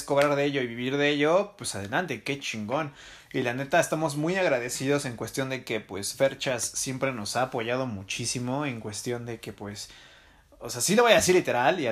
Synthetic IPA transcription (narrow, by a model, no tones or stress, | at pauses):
sko̞βɾaɾðee̞ʝo̞iβiβiɾðeeʝo̞pwesaðe̞lant̪e̞ke̞t͡ʃiŋɡo̞n | ilane̞t̪aest̪amo̞zmujaɣɾaðe̞siðo̞se̞ŋkwe̞st̪jo̞nd̪e̞ke̞pwe̞sfe̞ɾt͡ʃasːje̞mpɾe̞no̞saːpo̞ʝað̞o̞mut͡ʃisimo̞eŋkwe̞st̪jo̞nd̪e̞ke̞pwe̞s | oseasilo̞βajasiɾlit̪e̞ɾalia